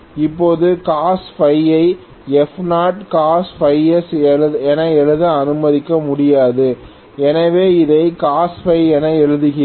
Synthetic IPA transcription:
ɪpːoːðɯkaːsfɐɪɐɪ | ɛfnaːʈkaːsfɐɪɛsɯɛnɐɛɻɯðɐɐnɯmɐðɪkːɐmʊɽɪjaːðɯ | ɛnɐʋeːɪðɐɪkaːsfɐɪɛnɐɛɻɯðɯɣɪ

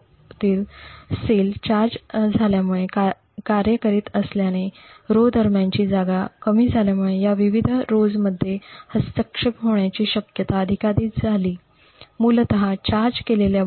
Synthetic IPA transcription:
t̪iːlselt͡ɕaɾd͡zd͡zʱaljamuɭeka | kaɾjəkəɾiːt̪əsljaneɾod̪ʱəɾmjaɲt͡ɕiːd͡zaɡakəmiːd͡zʱaljamuɭejaʋiʋid̪ʱɾod͡zməd̪ʱːjehəst̪əkʂəpɦoɳjat͡ɕiːɕəkjət̪aəd̪ʱikaɾiːt̪̚d͡zʱaliː | mult̪əɦat͡ɕaɾd͡zkelelja

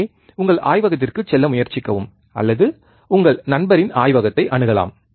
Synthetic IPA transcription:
ʊŋɡɐɭʔa̰ːjʋɐɣɐt̪̬ːɪrkɯt͡ʃɛlːɐmʊjɐɾt͡ʃɪkːɐʋɯm | ʔɐ̰lːɐðɯ | ʊŋɡɐɭnɐnbɐɾɪnaːjʋɐɣɐt̪ːɐɪʔɐɳɯɣɐla̰ːm

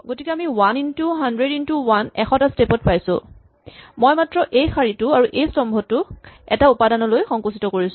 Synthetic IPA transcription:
ɡotikɛamiwanintuɦandɹedintuwanɛxɔtastepɔt̚pajsʊ̰̃ | mɔjmatɹɔʔejxʰaɹitʊaɹuʔejstɔmbʱɔtːʊɛtaupadanɔlojxɔŋkusitɔkoɹis

